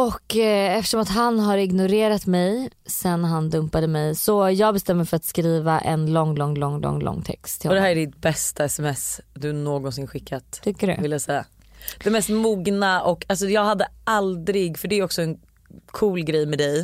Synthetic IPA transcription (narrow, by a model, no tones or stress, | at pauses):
ɔkːɛft̪əʂɔmat̪ɦanɦaɾɪɡnʊɾeːɾat̪mɛjsɛnːɦand̪ɵmpad̪əmɛjsɔjɑːɡbɛst̪ɛmːəɾfœɾat̪skɾiːvaʔɛ̰nlɔŋlɔŋːlɔ̰ŋːlɔ̰ŋːlɔ̰ŋːt̪ʰɛ̰kst̪ʰːɪɔd̪ɛɦæːɾæɖɪt̪̚bɛst̪ʰaɛsɛmɛsd̪ɵnoːɡɔnsɪnɧɪkʰːat̪t̪ʰkːədɵ̰vɪljasɛjːa̰ | d̪̥ɛmɛst̪muːɡnaɔkːals̬ɔjɑːɡhad̪ːəald̪ɾɪɡfœɖɛɾjɔksɔɛn | kʰuːlɡɾɛjːmɛd̪ɛj